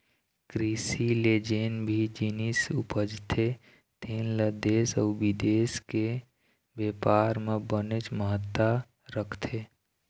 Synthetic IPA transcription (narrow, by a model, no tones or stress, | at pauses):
kɾisileːd͡ʒeːnbʱid͡ʒinisupəd͡ʒt̪ʰe | t̪eːnləd̪eːsɔːbid̪eːske | bjeːpaːɾmẽbənet͡ʃməɦət̪ːa | ɾəkʰt̪ʰe